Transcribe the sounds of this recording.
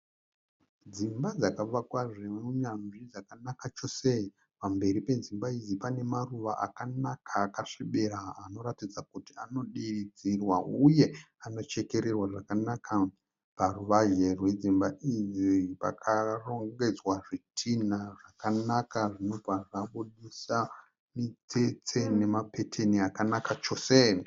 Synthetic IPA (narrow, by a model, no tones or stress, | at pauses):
d͡zimbad͡zakaʋakwaʐeuɲanʐid͡zakanakat͡ʃo̞se | pambe̞ɾipe̞d͡zimbaid͡zipane̞maruʋaʔa̰kanakʰaːkaʂeɓe̞ɾaːno̞ɾatid͡zakutiano̞ɗiid͡zirwauje̞ | ano̞t͡ʃe̞ke̞ɾe̞rwaʐakanaka | paruʋaʒe̞rwe̞d͡zimbaid͡zipa̰kʰaro̞ŋɡe̞d͡zwaʐitʰinaʐakanakaʐino̞paʐaɓuɗisa | mit͡set͡sene̞mape̞tʰe̞niakanakat͡ʃo̞se